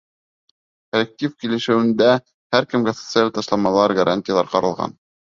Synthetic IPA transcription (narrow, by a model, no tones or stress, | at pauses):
kolʲek̚tʲifkilɘ̆ʃɘ̆wɘ̆nd̪æ | hæɾkɘ̆mɡæsŏ̥t̪sɨalʲt̪ɑʃlˠɑmɑlˠɑɾɡɐɾʔanʲtʲɪjalˠɑɾqɑɾɤ̆lˠʁɑ̰n